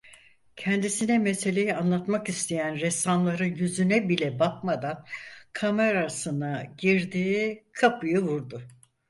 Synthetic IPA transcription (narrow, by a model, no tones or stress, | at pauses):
cʰɛnd̪isinɛmese̞lʲe̞jianlˠat̪makist̪ʰejænɾɛsanlˠaɾɯnjyzynɛbilʲɛbak̚mad̪ankʰame̞ɾasɯnaɟiɾd̪iːkʰapʰɯjɯvuɾd̪ʊ